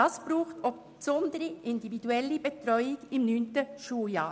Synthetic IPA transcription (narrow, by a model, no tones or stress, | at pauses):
ɑsb̥ɾuːxtɔp | sɔndəɾiʔɪndividuɛlːibɛtɾɔʏɪɡɪmnyːntəʃuːjɑː